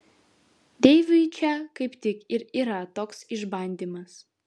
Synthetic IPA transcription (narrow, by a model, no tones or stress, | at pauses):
d̪ʲeɪʋʲʊɪt͡ʃʲɛkɐɪpt̪ʲɪkɪɾiːɾɐt̪oːksɪʒbɐnʲd̪ʲiːmɐs